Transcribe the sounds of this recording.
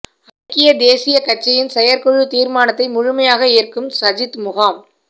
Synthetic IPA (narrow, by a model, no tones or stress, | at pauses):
ɐɾkɪjɐd̪eːsɪjɐkɐt͡ʃːɐjɪnsɛjɐɾkɔɻɯt̪iːɾmaːnɐt̪ːɐɪmʊɻʊmɐjaːɣɐɪːrkɯmsɐd͡ʒɪt̪mʊɣaːm